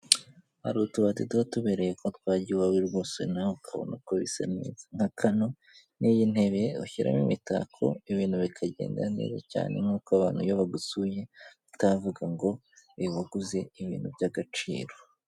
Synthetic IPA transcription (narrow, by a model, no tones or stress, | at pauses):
haɾutuβatitwatuβeɾe̞jekotwaːɟiwawiɾɡoːsḛnahokʰaβo̰nakoβisa̰nḛzaŋ̥hakʰano̞ | nijine̞βeuçiɾa̰mimita̰kʰo̞̰iβiːnhuβikʰaɟḛːnda̰nḛza̰ca̰ːne̞̰ŋ̥uːkoaβaːn̥hujoβaɡusuje̞ | tavuɡaŋɡo̞ | iβaɡuze̞iβḭːn̥hubɟaɡat͡ʃḭːɾo